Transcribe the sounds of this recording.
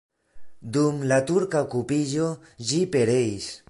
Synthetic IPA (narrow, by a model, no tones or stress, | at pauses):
d̪umlat̪uɾkaokupiʒo | d͡ʒipe̞ɾeis